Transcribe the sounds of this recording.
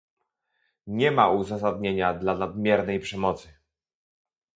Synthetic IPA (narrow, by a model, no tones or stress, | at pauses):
ɲɛmauzas̬ad̪̚ɲeɲad̪lanad̪mʲjɛɾnɛjpʂɛmɔt̪sɘ